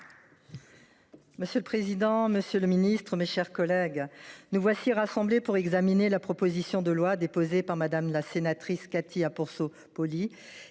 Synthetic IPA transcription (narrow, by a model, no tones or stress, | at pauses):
məsjøləpχezid̪ɑ̃məsjøləminist̪χəmeʃɛʁkɔlɛɡnuvwasiʁasɑ̃blepuʁɛɡzaminelapχɔpozisjɔ̃d̪əlwad̪epozepaʁmad̪amlasenat̪χiskat̪ʰiapuʁso | pɔli